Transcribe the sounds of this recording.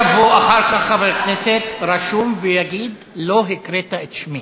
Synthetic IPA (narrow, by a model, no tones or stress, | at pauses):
voaχaʁkaχavekneset̪ɾaʃumvejaɡid̪ | lo̞ɦikɾet̪aet̪ʃmi